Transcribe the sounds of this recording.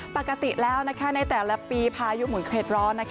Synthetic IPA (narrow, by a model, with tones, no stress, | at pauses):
pa˨˩kːa˧t̪i˨˩lɛː˦˥wna˦˥kʰa˦˥na˥˩jt̪ɛː˨˩la˦piː˧pʰaː˧ju˦˥mu˨˩˦nkʰɾeː˨˩t̪̚ɾɔː˦˥nːa˦˥kʰ